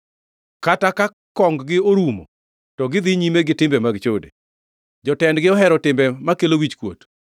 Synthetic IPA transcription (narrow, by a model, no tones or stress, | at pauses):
kataka | kɔŋɡɡɪoɾumɔ̰ | tɔɡɪd̪ɪɲimeɡɪtɪmbɛmaɡt͡ʃodḛ | d͡ʒɔtɛndɡɪɔɦɛɾɔtɪmbɛmakelowit͡ʃkwo̰t